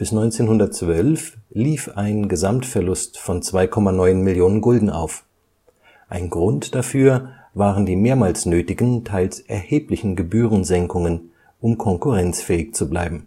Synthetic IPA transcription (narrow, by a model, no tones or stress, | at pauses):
b̥ɪsnɔʏnt͡seːnhʊndɐtt͡sv̥œlfliːfaɪnɡəzamtfɛɐlʊstfɔnt͡sv̥aɪkʰɔmanɔʏnmɪljoːnənɡʊldn̩ʔa̰ʊf | ʔaɪnɡʁʊntd̥afyːɐ | vaːʁəndiːmeːɐmaːlsnøːtɪɡn̩tʰaɪlsʔɛɐheːplɪçn̩ɡəbyːʁənzɛŋkʊŋən | ʔʊmkʰɔŋkʊʁɛnt͡sfɛːɪçt͡sublaɪbm̩